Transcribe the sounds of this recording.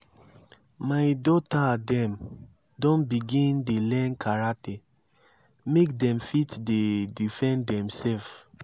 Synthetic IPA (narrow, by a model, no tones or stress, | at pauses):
majdɔtadɛ̃m | dɔ̃nbiɡĩndelɛ̃nkʰaɹate | mekdɛ̃mfitdedifɛ̃ndɛ̃msɛlf